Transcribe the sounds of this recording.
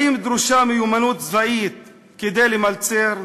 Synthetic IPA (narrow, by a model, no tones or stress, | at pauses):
imd̪ɾuʃamejumanut̪zvaʔit̪̚ | ked̪ejlemalt͡seɾ